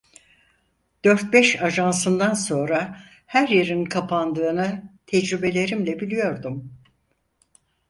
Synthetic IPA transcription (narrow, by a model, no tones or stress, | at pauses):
d̪̥ø̞ɾt̪̚bɛʃaʒansɯnd̪anso̞nɾa | hæɾjeɾinkʰapʰand̪ɯːnɯt̪ʰɛd͡ʒɾybe̞lʲe̞ɾimlʲɛbilʲijo̞ɾd̪um